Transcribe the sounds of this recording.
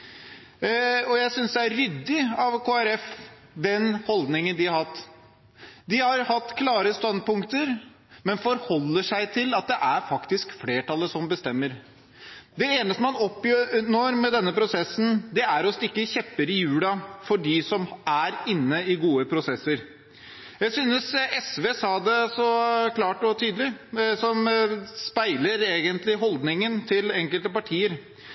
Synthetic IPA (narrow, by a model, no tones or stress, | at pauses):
ɔjæɪsʏnsd̪ɛæɾɾʏd̪ːɪɑʋkʰoːæɾɛf | d̪ɛnhɔld̪nɪŋənd̪ɪhɑɾhɑt̪ː | d̪ɪhɑɾhɑt̪ːkʰlɑːɾəst̪ɑnd̪̚pʊŋkt̪əɾ | mɛnfɔɾhɔlːəʂæɪt̪ʰɪlɑt̪̚d̪ɛʔæɾfɑkt̪ɪskfleːʈɑlːəsɔmbəst̪ɛmːəɾ | d̪ɛeːnəst̪əmɑnɔpːjøːnoːɾmɛd̪ɛnːəpʰɾʊsɛsːn̩d̪ɛæɾɔst̪ɪkːəçɛpːəɾɪjʉːɽɑfɔɖɪsɔmæɾɪnːəɪɡuːəpʰɾʊsɛsːəɾ | jæɪsyːnəsɛsʋeːsɑːd̪ɛsɔkʰlɑːʈɔt̪ʰyːd̪lɪsɔmspæɪləɾeːɡənt̪ʰlɪɦɔld̪nɪŋənt̪ʰɪlɛŋkəlt̪əpɑʈʰiːəɾ